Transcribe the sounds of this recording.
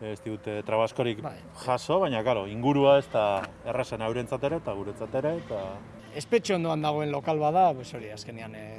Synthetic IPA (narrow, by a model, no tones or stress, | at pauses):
st̪iɣut̪et̪ɾaβasko̞ɾikaj | ʝaʃo̞βajɲakaɾo̞iŋɡuɾuaest̪a | e̞resenawɾe̞nt͡sat̪e̞ɾe̞t̪aɣuɾet͡sat̪e̞ɾe̞t̪a | espe̞t͡ʃuond̪oand̪aɣ̞o̞e̞nlo̞kalβaðaposo̞ɾiaske̞nian